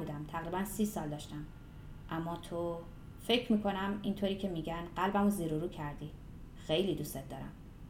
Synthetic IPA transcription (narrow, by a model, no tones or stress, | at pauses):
buːd̪æmt̪ʰæɣɾiːbænsiːsɒːld̪ɒːʃt̪æm | ʔæmːɒːt̪ʰo | fe̞cʰɾmiːkʰo̞næmiːnt̪ʰoɾiːcʰe̞miːɟænɢælbæmoziɾoɾuːcʰæɾd̪i | xe̞jliːd̪uset̪̚d̪ɒːɾæ̰m